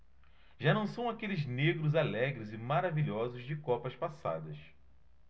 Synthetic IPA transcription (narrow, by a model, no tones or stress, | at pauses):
ʒanɐ̃w̃sɐ̃w̃akelɪzneɡɾʊzalɛɡɾɪzɪmaɾaviʎɔzʊzd͡ʒɪkɔpɐspasa̰d̪ɐs